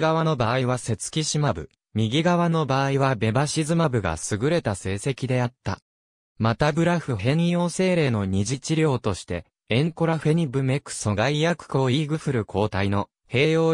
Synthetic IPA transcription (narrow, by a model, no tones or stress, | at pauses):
ɡaβano̞baːiβase̞t͡sɨ̥kʲiɕimabɯ̟̰ | mʲiɡʲiɡaβano̞baːiβ̞abe̞baɕizɨmabɯ̟ɡa̰sɨɡɯ̟ɾe̞t̪ase̞ːse̞kʲid̪e̞at̪ːa̰ | mat̪abɯ̟ɾaɸɯ̟ɦẽ̞ɰjo̞ːse̞ːɾe̞ːno̞ɲ̟iʑit͡ɕiɾʲo̞ːt̪o̞ɕi̥t̪e̞ | ẽŋko̞ɾaɸe̞ɲ̟ibɯ̟me̞kɯ̥so̞ɡaijakɯ̟̥ko̞ːiɡɯ̟ɸɯ̟ɾɯ̟kʰo̞ːt̪aino̞ | he̞ːjo̞ː